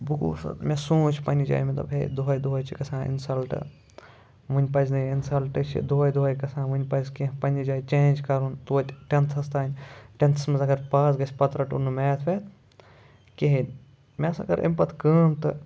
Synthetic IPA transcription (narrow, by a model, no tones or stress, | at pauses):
buɡṵːsɐ̰t̪mʲesũːt͡ʃʰpɐnʲid͡ʒa̰ːjmɐt̪ɐ̰bɦḛd̪oɦɐjd̪oɦɐjt͡ʃʰikɐsãːḭnsɐlʈɨ̰ | ʋunʲpɐznɐinsɐlʈɨt͡ʃʰḭd̪oːɐjd̪uɦɐjkɐsãːʋɨnʲpɐzkeɦpɐnʲid͡ʒaːjt͡ʃẽːnd͡ʒkɐɾunt̪uːt̪ʲʈent̪ʰɐst̪aːnʲʈent̪ʰɐsmɐzɐɡɐɾpaːs̬ɡɐsʲpɐt̪ɾɐʈṵnɨmeːt̪ʰʋeːt̪ʰ | keɦinʲ | mʲesɐ̰ɡɐɾʔḭmpɐt̪ʰkəːmt̪ɨ